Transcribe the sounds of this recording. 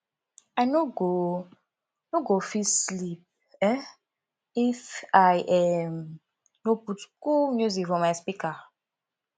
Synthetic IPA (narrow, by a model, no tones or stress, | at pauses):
aɪnoɡo | noɡofislip̚ | ɛ | ifajʔɛm | noputkulmjuzikfɔmaɪspika